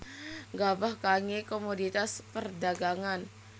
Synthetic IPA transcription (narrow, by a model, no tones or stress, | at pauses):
ɡabahkaŋekomodit̪aspərdaɡaŋan